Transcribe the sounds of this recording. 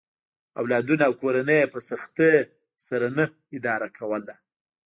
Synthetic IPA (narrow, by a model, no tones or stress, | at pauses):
a̰wlɑd̪unaːwkoɾanəjpəsaxt̪ə | saɾanə | ɪd̪ɑɾakʰawəla